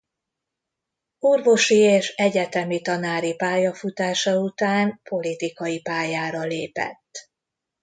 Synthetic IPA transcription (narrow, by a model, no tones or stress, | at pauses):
urvo̞ʃieːʃɛɟɛt̪ɛmit̪ɒnaːɾipaːjɒfut̪aːʃɒut̪aːnpo̞lit̪ikɒjipaːjaːɾɒleːpɛ̰t̪ː